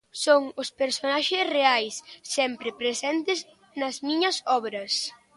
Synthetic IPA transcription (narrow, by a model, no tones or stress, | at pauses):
soŋʊspeɾsonaʃɪsreajsːɛmpɾɪpɾesɛnt̪ɪz | nɐzmiɲɐsɔβɾɐs